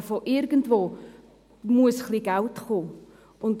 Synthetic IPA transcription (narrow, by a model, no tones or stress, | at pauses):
foʔɪɾɡən̩tvoː | muəsχliːɡaltχoː | ʊnt